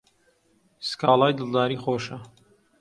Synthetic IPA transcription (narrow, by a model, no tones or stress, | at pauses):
skaːlˠɑːjd̪ɨlˠd̪aːɾiːxoːʃɐ